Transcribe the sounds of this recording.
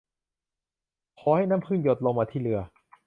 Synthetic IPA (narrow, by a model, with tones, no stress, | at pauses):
kʰɔː˨˦ha˥˩jnaː˦˥˨mkʰɯː˥˩njo˨˩t̪̚lo˧ŋmaː˧t̪ʰiː˥˩˨lɯ˧ɐ